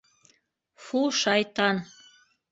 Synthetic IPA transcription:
fuʃɑjt̪ɑn

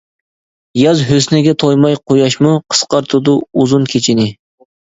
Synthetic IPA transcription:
jɑzɦøsnɪɡʲɛt̪ʰojmɑjqʰojɑʃmuqʰə̥sqɑɾt̪ʰʊd̪uuzunkʲʰet͡ʃʰinɪ

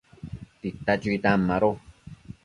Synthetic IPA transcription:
t̪it̪ːat͡ʃuit̪amːaɾo

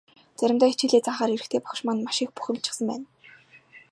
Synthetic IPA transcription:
t͡sæɾʲɪ̆mt̪aːit͡ɕɪ̆ɮeːt͡saɴχaːɾiɾɘ̆xt̪ʰeːpɔ̥χʃmanmaʃɪ̆k̚pu̥xʲɪ̆mt͡ɕɪ̥̆χsə̆mpæ̰ːn

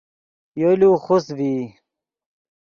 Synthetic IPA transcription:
joluːxusbi

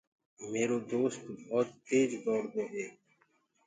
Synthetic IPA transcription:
meːɾoːd̪oːst̪bɔːt̪teːd͡ʒɡɔːɽd̪oːʔeːk

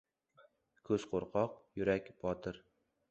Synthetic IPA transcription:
kʰɵzqʰoɾqʰɒqjʊɾakʲbʰɒt̪ʰɪɾ

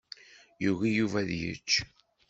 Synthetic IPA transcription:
juɣijuvæðjə̰t͡ʃː

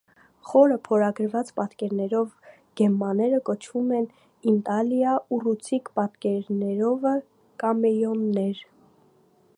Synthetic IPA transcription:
χɔɾəpʰɔɾɑɡəɾvɑt͡spɑt̪kɛɾnɛɾɔv | ɡ̥ɛmːɑnɛɾəkɔt͡ʃʰvumɛn | int̪ɑljɑurut͡sʰikpɑt̪kɛɾnɛɾɔvə | kɑmɛjɔnːɛɾ

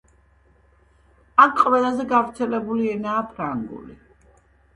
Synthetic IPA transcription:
akʰqʼwɛlˠazɛɡavɾt̪sʰɛlɛbuliɛnaːpʰɾaŋɡṵli

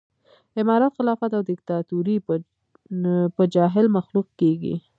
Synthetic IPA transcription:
ɪmɑɾɑt̪xɪlɑfat̪awd̪ɪk̚t̪ɑt̪uɾi | pəd͡ʒɑɦɪlmaxluq̚keɡḭ

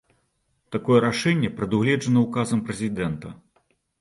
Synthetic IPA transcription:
t̪akɔjɛɾaʂɛnʲːɛpɾɛd̪uɣlʲɛd͡ʐɐnɐukazɐmpɾɛzʲid̪ɛnt̪ɐ

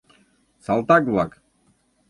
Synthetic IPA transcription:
salˠt̪aɡlˠak

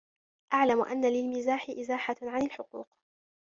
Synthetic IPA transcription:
ʔaʕlamʊʔa̰nːalɪlmɪzaːħɪʔɪzaːħaʕanalħʊqṵːq

